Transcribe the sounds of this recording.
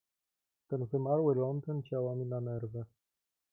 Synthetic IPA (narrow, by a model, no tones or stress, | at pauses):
t̪ɛnvɘmalwɘlɔnt̪ɨnt͡ɕawamʲinanɛɾvɛ